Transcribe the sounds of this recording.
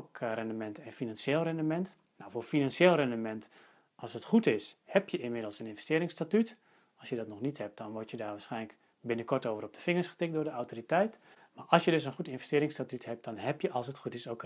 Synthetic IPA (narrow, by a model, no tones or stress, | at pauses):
krɛndəmɛntʰɛnfinanʃeːlˠrɛndəmɛnt | nawfoːfinanʃeːlˠrɛndəmɛnt | ʔɑlˠsətχutɪshɛpjəɪnmɪdəlˠsənɪnvəstɪːɾɪŋstatyt | ɑlˠsjədɔtnɔχnithɛp̚d̥ɔnʋɔɹtjədaːɹʋaːsχɛjnlək | bɪnəkɔɹtoːwvərɔp̚d̥əfɪŋəɹsχə̥tɪk̚dʊːɹdəawtoːritɛjt | maːʔɑlˠsjədøs̬ənχutɪnvɛstɪːɾɪŋstatythɛp̚d̥ɔnɦɛpjəʔɑlˠsətχutɪsowk